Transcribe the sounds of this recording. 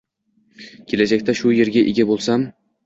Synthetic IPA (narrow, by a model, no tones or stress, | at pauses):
kʲʰe̞lad͡ʒakʲt̪aʃʊje̞ɾɡʲaʔeɡʲabolˠsam